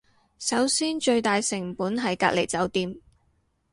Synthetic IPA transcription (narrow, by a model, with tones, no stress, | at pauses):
sɐ˨˥wsiː˥nt͡ʃɵ˧ɥt̪aː˨jsɪ˨˩ŋpuː˨˥nɦɐ˨jka̰ː˧k̚le˨˩jt͡sɐ˨˥wt̪iː˧m